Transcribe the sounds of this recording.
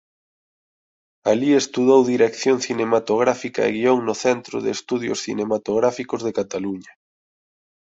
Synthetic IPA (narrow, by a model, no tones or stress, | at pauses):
aliest̪uðowðiɾekθjoŋθinemat̪oɣɾafika̰ḛɣioŋnʊθɛnt̪ɾʊ̰ðeːst̪uðjo̰sθḭnemat̪oɣɾafikozðekat̪aluɲa